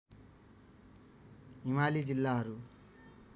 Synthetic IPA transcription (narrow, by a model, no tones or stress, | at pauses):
imalid͡zilːaɦʌɾu